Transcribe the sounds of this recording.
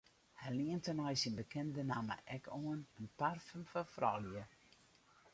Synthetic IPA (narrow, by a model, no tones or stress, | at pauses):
hɛjliəntənɔjsinbəkʰɛndənamə̰ʔɛkʰoənənparfəmfɔfrɔ̰ljə